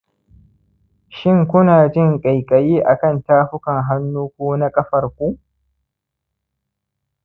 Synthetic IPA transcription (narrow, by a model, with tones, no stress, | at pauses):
ʃɪ˦ŋkʷʊ˦naː˨d͡ʒɪ˦ŋkʼa˨jkʼɐ˨jiː˦ʔa˨kɐ˦ntaː˦ɸʊ˦kɐ˨ŋɦa˦nːuː˦kʷoː˦na˦kʼɐ˦ɸɐ˨rkʷu˦